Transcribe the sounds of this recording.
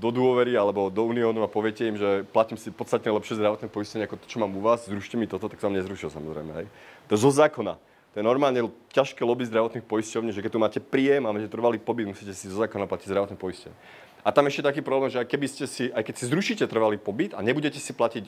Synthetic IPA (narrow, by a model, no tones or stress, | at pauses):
d̪ɔd̪ʊɔʋɛɾialɛbɔd̪ɔuːniɔːnuapɔʋɪɛcɛimʒɛplaciːmsipɔt̪st̪at̪ɲɛlɛpʃɪɛzd̪ɾaʋɔt̪nɛpɔiscɔɲɛakɔt̪ɔ̥t͡ʃɔmaːmuʋaːzzɾuʃcɛmit̪ɔt̪ɔt̪aksɔaːmɲɛzɾuʃilsa̰mɔ̰zɾɛ̰jmɛ̰ɦɛjt̪ɔɛzɔzaːkɔna̰ | t̪ɔjɛnɔɾmaːlɲɛcaʃkɛːlɔbizd̪ɾaʋɔt̪nixpɔjiscɔʊɲiːʒɛkɛc̚t̪umaːcɛpɾiːjɛmamɛcɛt̪r̩ʋaliːpɔbid̪musiːcɛsizɔzaːkɔnaplaciɟzdɾaʋɔt̪npɔiscɔʊɲɛ | at̪amɛʃcɛt̪akiːpɾɔblɛːmʒɛajkɛbiscɛsiʔajkɛcsizɾuʃiːcɛt̪r̩ʋaliːpɔbit̪aɲɛbuɟɛcɛsiplacic